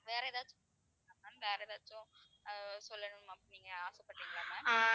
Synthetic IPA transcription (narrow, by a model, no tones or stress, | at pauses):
ʋeːɾɐɛðaːt͡ʃːʊ̃pːɐ | klãːmaːnʋeːɾɐðaːt͡ʃːʊ̃ | sɔlːɐnʊmɐpːniːŋɡɐaːsɛpːɐʈːɯŋkːɐɭaːmãːaː